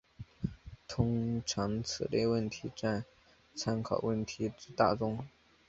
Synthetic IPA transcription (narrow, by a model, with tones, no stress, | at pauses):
t̪ʰʊ˥ŋʈ͡ʂʰɑ˧˥ŋt͡sʰɹ̩˨˩le˥˧ɪwə˥˩nt̪ʰi˧˥ʈ͡ʂa˥˩n | t͡sʰa˥nkʰɑ˨˩ʊwə˥˩nt̪ʰi˧˥ʈ͡ʂɻ̩˥˧t̪a˥˩ʈ͡ʂʊ˥ŋ